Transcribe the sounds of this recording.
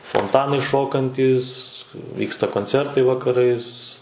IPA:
foːnˈtɑːnɐɪ ˈʃoːkɐnʲtʲiːs ˈʋʲiːkstɐ koːnʲˈt͡sʲɛrtɐɪ ʋɐkɐˈrɐɪs

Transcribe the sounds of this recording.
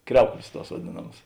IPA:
ˈkrʲɛʊklʲeːs ˈtuɔs ʋɐˈdʲeːnɐmɐs

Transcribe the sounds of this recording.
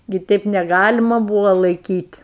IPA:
ɡʲɪ ˈtʲɛɪp nʲɛˈɡɑːlʲɪmɐ ˈbuːʋoː lˠɐɪˈkʲiːtʲ

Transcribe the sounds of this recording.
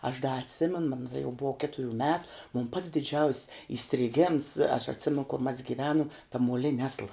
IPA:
ɐʃ dɐ ɐtʲˈsʲɪmʲɛnʊ mɐn tɐˈdɐ jɛʊ ˈbuɔ ˈkʲæːtʊˌrʲuː mʲɛt moːn pɐts dʲɪˈd͡ʒʲɛʊsʲ iːsʲtʲrʲɪˈɡʲɛms ɐʃ ɐtʲˈsʲɪmʲɛn koːr mɐs ɡʲɪˈʋʲæːnʊm tɐ muɔˈlʲɪnʲɪ ˈɑːslˠɐ

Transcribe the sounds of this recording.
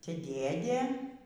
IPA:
ˈtʲɛ ˈdʲeːdʲeː

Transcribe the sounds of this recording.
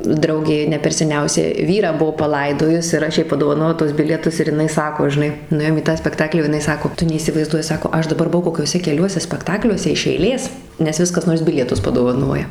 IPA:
ˈdrɐʊɡʲeː nʲɛ pʲɛr sʲɛˈnʲɛʊsʲɛ ˈʋʲiːrɑː ˈbuɔ pɐˈlˠɐɪdoːjʊs ɪr ˈɐʃ ˈjɛɪ pɐdoːʋɐˈnoːjɛʊ tuɔs ˈbʲɪlʲiɛtʊs ɪr jɪˈnɐɪ ˈsɑːkoː ʒʲɪˈnɐɪ nʊˈeːjoːm iː tɑː sʲpʲɛkˈtɑːklʲiː oː jɪˈnɐɪ ˈsɑːkoː ˈtʊ nʲɛiːsʲɪʋɐɪzˈduɔjɪ ˈsɑːkoː ˈɐʃ dɐˈbɐr bʊˈʋɐʊ koːkʲuɔˈsʲɛ kʲɛˈlʲuɔsʲɛ sʲpʲɛkˈtɑːklʲuɔsʲɛ ɪʃ ɛɪˈlʲeːs nʲɛs ˈʋʲɪs kɐs ˈnoːrs ˈbʲɪlʲiɛtʊs pɐdoːʋɐˈnoːjɛ

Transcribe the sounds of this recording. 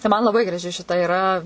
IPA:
tɐɪ ˈmɐn lˠɐˈbɐɪ ɡrɐˈʒʲɪ ʃʲɪˈtɐ ɪˈrɐ

